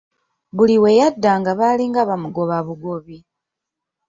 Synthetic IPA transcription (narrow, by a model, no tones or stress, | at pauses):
βuliwe̞jadːaːŋɡaβaliːŋɡaβamuɡo̞βaβuɡo̞βi